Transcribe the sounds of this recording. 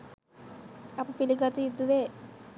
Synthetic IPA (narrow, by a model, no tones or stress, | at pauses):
ɐpupiliɡat̪uid̪ːuʋeː